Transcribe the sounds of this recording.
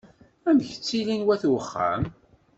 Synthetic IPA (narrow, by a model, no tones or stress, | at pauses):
æmçət͡sːilinwæθwəχːæ̰m